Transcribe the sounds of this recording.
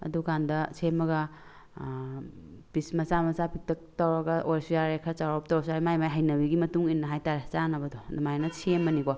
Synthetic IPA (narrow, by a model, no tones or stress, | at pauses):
ɐ̰dukandɐsʰemːɐɡɐ | pismɐsamɐsapʰik̚tʰɐk̚tɐwɾɐɡɐʔoɾsujaɾekʰat͡ʃawɾaɔp̚tɔwɾsaɾimajmajɦɐjnɐbiɡimɐtuŋinːɐɦajtaɾet͡ʃanɐbɐdɔdɐmajnɐsʰemːɐnikɔ